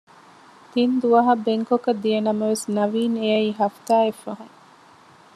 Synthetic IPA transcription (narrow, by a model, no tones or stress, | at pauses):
t̪ind̪uʋɐɦɐbeŋkokɐd̪ijɐnɐmɐʋesnɐʋiːneɐiːɦɐft̪aːefːɐɦɐŋ